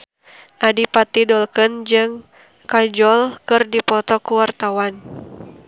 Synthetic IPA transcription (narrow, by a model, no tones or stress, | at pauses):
ʔadipat̪idɔlkɨnd͡ʒɨŋ | kad͡ʒɔlkɨrdipɔt̪ɔkuwart̪awan